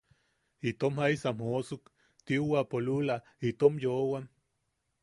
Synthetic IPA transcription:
it̪omhaisamhosuk | t̪iuwapolula | it̪omjowam

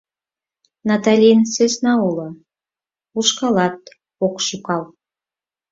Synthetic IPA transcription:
nɑt̪ɑlʲinsøsnɑulo | uʃkɑlɑt̪̚ | okʃukɑl

